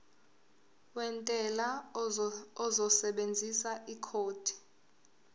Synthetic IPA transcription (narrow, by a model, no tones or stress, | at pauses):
wɛntʼɛla | ɔzɔsɛɓend͡zʱisaʔikʰoːtʰi̥